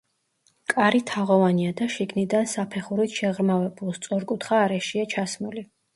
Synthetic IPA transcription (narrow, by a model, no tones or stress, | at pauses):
kʼaɾit̪ʰaʁɔvaniad̪aʃiɡnid̪ansapʰɛχuɾit̪ʃɛʁɾmavɛbulˠst̪sʼɔɾkʼut̪ʰχaːɾɛʃiat͡ʃʰasmuli